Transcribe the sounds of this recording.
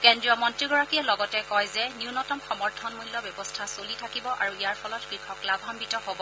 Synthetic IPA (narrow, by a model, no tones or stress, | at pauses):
kendɹiɔmɔntɹiɡɔɹakiɛlɔɡɔtɛkɔjzɛniunɔtɔmxɔmɔɹtʰɔnmulːɔbjɔbɔstʰasolitʰakibɔʔaɹuijaɹpʰɔlɔtkɹikʰɔklabʱambitɔhobɔ